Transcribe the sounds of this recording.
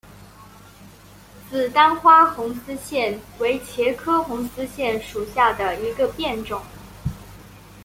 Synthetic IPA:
t͡sɹ̩˥˩t̪a˥nxwa˥xʊ˧˥ŋsɹ̩˥ɕjɛ˥˩nwe˧˥ɪt͡ɕʰjɛ˧˥kʰɤ˥xʊ˧˥ŋsɹ̩˥ɕjɛ˥˩nʂu˨˩ɕja˥˩d̪ə˩i˧˥ɡə˧pjɛ˥˩nʈ͡ʂʊ˨˩˦ŋ

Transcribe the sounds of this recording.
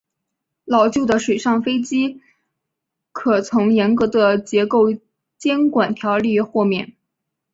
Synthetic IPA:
lɑ˨˩ʊt͡ɕjo˥˩ʊd̪ə˩ʂwe˨˩ɪʂɑ˥˩ŋfe˥ɪt͡ɕi˥ | kʰɤ˨˩t͡sʰʊ˧˥ŋjɛ˧˥nkɤ˧˥d̪ə˧t͡ɕjɛ˧˥ko˥˩ʊ | t͡ɕjɛ˥nkwa˨˩nt̪ʰjɑ˧˥ʊli˥˧xwɔ˥˧mjɛ̰˥˩n

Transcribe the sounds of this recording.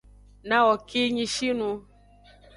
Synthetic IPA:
nã˦wɔ˨ki˦ɲĩ˧ʃi˦nũ˧

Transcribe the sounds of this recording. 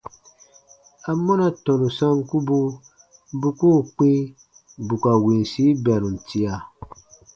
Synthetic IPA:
a˨mɔ˦na˦tɔ̃˨nu˨sã˦ŋ˦ku˦bu˦ | bu˦ko˦˨k͡pĩ˦ | bu˨ka˨wĩ˨n˨si˨˦ba˨nũ˨n̩˨ti˨a˨

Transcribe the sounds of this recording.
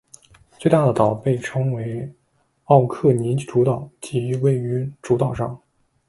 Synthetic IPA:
t͡swe˥˧ɪt̪a˥˩d̪ə˩t̪ɑ˨˩ʊpe˥˩ɪʈ͡ʂʰɤ˥ŋwe˧˥ɪ | ɑ˥˧ʊkʰɤ˥˩ni˧˥ʈ͡ʂu˧˥t̪ɑ˨˩˦ʊt͡ɕi˧˥we˥˩ɪy˧˥ʈ͡ʂu˧˥t̪ɑ˨˩ʊʂɑ̰˥˩ŋ

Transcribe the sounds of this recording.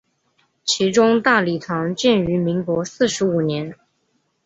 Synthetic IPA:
t͡ɕʰi˧˥ʈ͡ʂʊ˥ŋt̪a˥˩li˨˩t̪ʰɑ˧˥ŋt͡ɕjɛ˥˩ny˧˥mi˧˥ŋkwɔ˧˥sɹ̩˥˩ʂɻ̩˧˥u˨˩njɛ˧˥n

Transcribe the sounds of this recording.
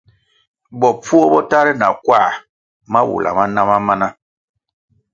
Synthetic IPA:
bɔ˨p͡fu˦o˦bɔ˦ta˦ɾɛ˦na̰˨kwa˦˨ | ma˦wṵ˨lʔa̰˨ma˦na˦ma˦ma˦na˦

